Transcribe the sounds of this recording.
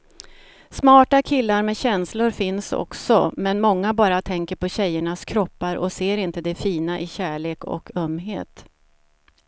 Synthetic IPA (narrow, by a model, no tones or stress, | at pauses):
smɑːʈakʰɪlːaɾmɛɕɛnslʊɾfɪnsɔ̰ksɔmɛnmɔŋːabɑːɾat̪ʰɛŋkəɾpʰɔɕɛjːəɳaskʰɾɔpːaɾɔ̰seːɾɪnt̪əd̪ɛfiːnaʔɪɕæːɭeːkɔ̰kʰœmːɦḛːt̪